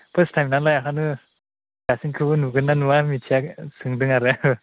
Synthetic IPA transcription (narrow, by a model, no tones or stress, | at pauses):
pʰɯstʰajmnanlajakʰanɯ | ɡasiŋkʰɯbɯnuɡɯnːanuwamitʰijaksɯŋdɯŋaɾɯɯ